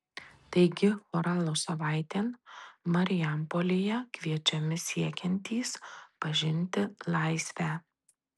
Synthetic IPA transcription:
t̪ɐɪɡʲɪfɔːɾɑːlˠoːsɐʋɑˑɪt̪ʲeːnmɐɾʲɪjɛmpolʲejɛkʋʲiɛt͡ʃʲɛmʲɪsʲiɛkʲɛnʲt̪ʲiːspɐʒʲɪnʲt̪ʲɪlˠɑˑɪsʲʋʲæː

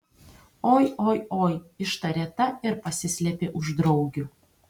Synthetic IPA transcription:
ojojojɪʃt̪ɐɾʲet̪ɐɪɾpɐsʲɪsʲlʲɛpʲeʔuʒd̪ɾowɡʲu

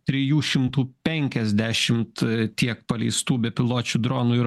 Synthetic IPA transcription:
t̪ʲɾʲɪjuːʃʲɪmt̪uːpʲɛŋʲkʲɛzʲd̪ʲæːʃʲɪmt̪t̪ʲiɛk̚pɐlʲɛɪst̪uːbʲɛpʲɪlˠoːt͡ʃʲuːd̪ɾoːnuːɪ

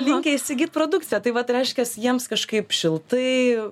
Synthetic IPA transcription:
lʲɪŋʲkʲɛɪʃʲsʲɪɡʲiːt̪̚pɾoːd̪ʊktt͡sʲɪjɛt̪ɐɪʋɐt̪ɾʲɛɪʃʲkʲɛsjiɛmskɐʃkɐɪpʃʲɪlˠt̪ɐɪ

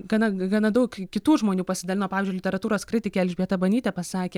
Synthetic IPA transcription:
ɡɐnɐɡɐnɐd̪ɐʊkkkʲɪt̪uːʒmoːnʲuːpɐsʲɪd̪ɐlʲɪnoːpɑːʋʲeːzʲd͡ʒʲʊlʲɪtʲɛɾɐt̪uːɾoːskɾʲɪt̪ʲɪkʲeːɛlʲʒʲbʲiɛt̪ɐbɐnʲiːt̪ʲɛpɐsɑːkʲeː

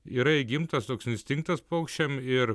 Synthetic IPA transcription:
iːɾɐɪɡʲɪmt̪ɐst̪oːksɪnʲsʲt̪ʲɪŋk̚t̪ɐspoːkʃʲt͡ʃʲɛmɪɾ

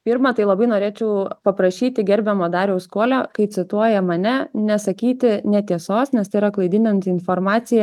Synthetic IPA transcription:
pʲiːɾmɐt̪ɐɪlˠɐbɐɪnoːɾʲeːt͡ʃʲɛʊpɐpɾɐʃʲiːt̪ʲɪɡʲɛɾʲbʲɛmoːd̪ɑːɾʲɛʊskuɔlʲoːkɐɪsʲɪt̪uɔjɛmɐnʲɛnʲɛsɐkʲiːt̪ʲɪnʲɛt̪ʲiɛsoːsnʲɛst̪ɐɪɾɐklˠɐɪd̪ʲɪnʲɐnʲt̪ʲɪnfoːɾmɑːsʲɪjɛ

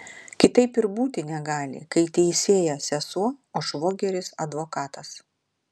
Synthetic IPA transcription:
kʲɪt̪ɐɪpɪɾbuːt̪ʲɪnʲɛɡɑːlʲɪ̰kɐɪt̪ʲɛɪsʲeːjɛsʲɛsuɔoːʃʋoːɡʲɛɾʲɪsɐ̰d̪ʋoːkɑːt̪ɐs

